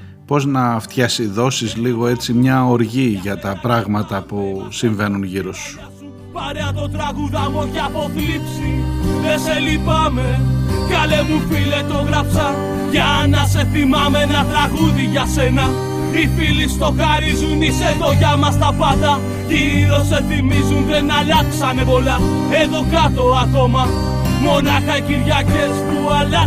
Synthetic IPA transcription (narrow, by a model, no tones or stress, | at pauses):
po̞znɐft̪çɐsiðo̞sizliɣo̞e̞t͡simɲɐo̞ɾʝiʝɐt̪ɐpɾɐɣmɐt̪ɐpusiɱve̞nunʝiɾo̞su̥ | su | pɐɾeɐt̪o̞t̪ɾɐɣuðɐmocɐpo̞θlipsiðeselipɐme̞kɐlemufilet̪o̞ɣɾɐpsɐ | ʝɐnɐse̞θimɐmenɐt̪ɾɐɣuðiʝɐsenɐ | ifilist̪o̞xɐɾizuniseðo̞ʝɐmɐst̪ɐpɐnd̪ɐ | ʝiɾo̞se̞θimizunðe̞nɐlɐksɐne̞po̞lɐ | e̞ðo̞kɐt̪o̞ɐko̞mɐ | mo̞nɐxɐiciɾʝɐce̞st̪uɐlɐ